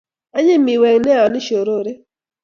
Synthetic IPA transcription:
a˦ɲɪ˦mɪ˨wɛ˨ŋnɛ˦ɔ˨nɪ˦ʃo˨ɾo˦ɾe˦

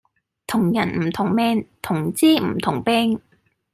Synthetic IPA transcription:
t̪ʰʊ˨˩ŋjɐ˨˩nm̩˨˩t̪ʰʊ˨˩ŋmɛː˧ŋt̪ʰʊ˨˩ŋt͡siː˥m̩˨˩t̪ʰʊ˨˩ŋpɛː˥ŋ

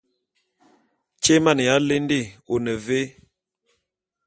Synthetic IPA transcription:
t͡ʃe˦ma˦˨n˨ja˨˦le˦n˦de˦˨o˨nə˨ve˦

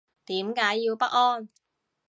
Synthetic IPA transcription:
t̪iː˨˥mkaː˨˥jːiː˧wpɐ˥t̚ɔː˥n

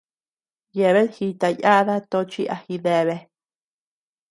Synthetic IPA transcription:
je˧˨βe˦ðhi˧t̪a˧ja˦ða˦t̪o˧t͡ʃi˦ʔa˧hi˧ðe˧˨βe˧

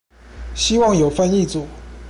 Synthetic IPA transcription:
ɕi˥wɑ˥˩ŋjo˨˩ʊfa˥˧ni˥˩t͡su˨˩˦

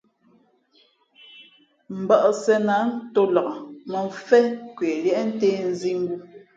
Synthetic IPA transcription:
m̩˨bɔ˨ʔsɛ˨na˨˦n˦to˦lɔ˨ʔɔ˨mə˨ɱ˨fɛ˦kwe˨ljɛ˦ʔn̩˦teː˦n̩˦zi˦ŋ˦ɡu˦

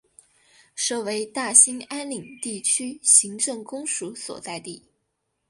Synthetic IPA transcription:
ʂɤ˥˩we˧˥ɪt̪a˥˩ɕi˥ŋa˥nli˨˩ŋt̪i˥˩t͡ɕʰy˥ɕi˧˥ŋʈ͡ʂɤ˥˩ŋkʊ˥ŋʂu˧˥swɔ̰˨˩t͡sa˥˧ɪt̪i˥˩

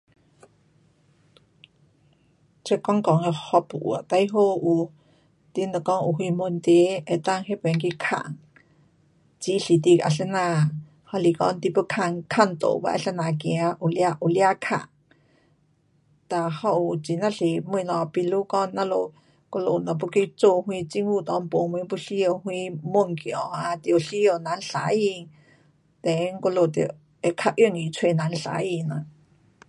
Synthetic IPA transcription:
t͡ʃe˧kɔ˦ŋkɔ˨ŋe˧hɔ˧pu˧˨ʔw̰a˨ʔt̪a˧jɦo˧ʔu˧ | t̪i˧nə˧˨kɔ˦ŋʔu˧˨ɦi˧mo˧nt̪e˧˦e˧t̪a˦˧ŋɦe˦pe˨ŋki˦˧kʰa̰˧ʔŋ | t͡ʃi˦ɬi˨t̪i˧kʔa̰˧˨ɬə˧na˧ | hɔ˧li˧kɔ̰˧nt̪i˧pə˧kʰa˧ŋkʰa˦˨nt̪o̰˨ba̰˧ʔa̰˧ɬə˧na˨kĩ˧a˧ʔu˧˨lja˧ʔu˧˨lja˦˧kʰa̰˧˨ŋ | t̪a˧hɔ˦˧ʔu˧˨t͡si˨nã˧ɬi˨mi˧nɔ̃˧˨pi˧lu˦kɔ˦nːã˦˧lo˨ | ko˧lo˧˨nã˨p̬u˧ki˧jt͡so˧˨hwĩ˧t͡si˧ŋwu˧˨t̪ɔ˧˦mpo˨m˧ĩ˧˦pu˧ɬi˦o˧hwĩ˧mo˦˨ŋkjɔ̃˨a˧t̪i˧o˧ɬi˦o˧nã˨˧n̩˦ɬa˨ji˧ŋ | t̪e˨˦ŋko˧lo˧˨t̪ḛ˧ | e˧kʰa˧ʔjə˦˧˨ŋi˨t͡sʰwe˧˨nã˨˧n̩˧ɬa̰˧˦ji˧nã˨

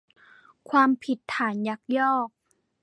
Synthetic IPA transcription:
kʰwaː˧mpʰi˨˩t̪ʰːaː˨˩˦nja˧˦˥k̚jɔː˥˩k̚

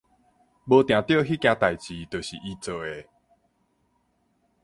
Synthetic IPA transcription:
bə˧t̪j̃ã˨˩t̪jo˥˧˨ɦi˦kjã˧t̪a˨jt͡ɕi˨t̪ə˨˩ɕḭ˨ʔi˧t͡sə˨˩e˨˦

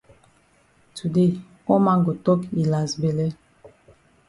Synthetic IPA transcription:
tʰu˨de˦˨ | ɔ˦ma˦ŋɡo˨tɔ˦ki˨la˨zbɛ˨lɛ˦

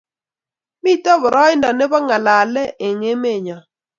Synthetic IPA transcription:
mi˦˨tɔ˦βʊ˨ɾʔɔ˦ɪ˦ndɔ˨ne˦bɔ˦ŋa˨la˨lɛ˦ʔe˨ŋe˦me˦˨ɲɔ˨

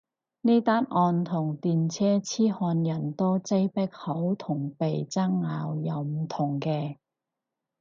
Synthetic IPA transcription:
ne˥jt̪aː˥n̚ʔɔː˧nt̪ʰʊ˨˩ŋt̪iː˨nt͡sʰɛː˥t͡sʰiː˥hɔː˧njɐ˨˩nt̪ɔː˥t͡se˥jpɛ˥k̚ho˨˥wt̪ʰʊ˨˩ŋpe˨jt͡sɐ˥ŋːaː˨˧wjɐ˨˧wm̩˨˩t̪ʰʊ˨˩ŋkɛː˧

